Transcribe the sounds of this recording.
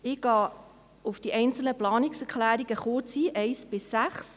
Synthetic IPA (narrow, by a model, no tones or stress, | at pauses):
ɪɡ̥ɑː | ʊfd̥iʔɛɪnt͡sl̩nəplɑːnɪksəkʰlæːɾiɡ̥əχoːt͡siːʔɛɪsb̥ɪsːæχs